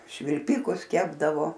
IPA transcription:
ʃʲʋʲɪlʲˈpʲɪkʊs ˈkʲæːbdɐʋoː

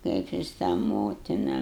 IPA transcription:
ˈkɐɪp jɪs tɑː ˈmoːtʲɪnɐ

